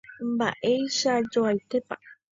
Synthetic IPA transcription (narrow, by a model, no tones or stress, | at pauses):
mba̰ʔe̞jʃad͡ʒoajt̪e̞pa